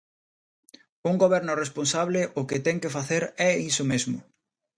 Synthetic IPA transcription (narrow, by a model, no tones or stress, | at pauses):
uŋɡoβɛɾnʊresponsaβleʔʊkɪt̪ɛŋkefaθeɾɛisʊmezmʊ̰